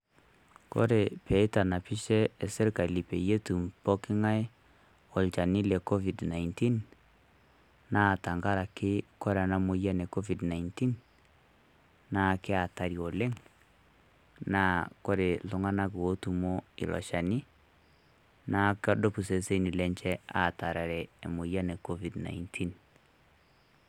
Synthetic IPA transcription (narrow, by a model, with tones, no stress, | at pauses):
ko̰˦ɾe˨pɛ˨i˦ta˨na˨pi˦ʃɛ˦e˨se˦ɾka˨i˨li˨pe˨je˦tu˨mpɔ˦kɪ˦ŋa˦ɪ˦ | o˨lt͡ʃa˨ni˦lɛ˨kɔ˦vi˨dna˨inti˦n | na˦˨ta˨ŋɡa˦ɾa˨kɪ˦kɔ˦ɾa˨na˦mo˨ja˦nɛ˨kɔ˦vi˨dna˨inti˦n | na˦˨kɪ˦a˨ta˨ɾi˨o˨le˦ŋ | na˨ko˦ɾe˨lo˦ŋa˦na˦k̬ɪ˨wo˦tu˨mo˦ḭ˨lɔ̰˨ʃa˨ni˦ | na˨kɔ˦do˦pu˨se˨se˦ni˨lɛ˦ɲt͡ʃɛ˦a˦˨ta˨ɾa˨ɾɛː˨mo˨ja˦ne˨kɔ˦vi˨dna̰˨intʰi˦n